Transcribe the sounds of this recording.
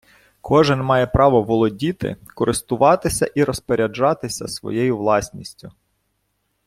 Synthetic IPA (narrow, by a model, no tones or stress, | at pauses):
kʰɔʒɪnmɑjɛpɾɑʋɔʋɔlˠɔdʲit̪ɪ̰kɔɾʔɪst̪ʊʋɑt̪ɪsʲɐʔiɾɔspɔɾʲɐd͡ʒɑt̪ɪsʲɐ̰sʋɔ̰jejʊʋlˠɑsʲnʲisʲtʲʊ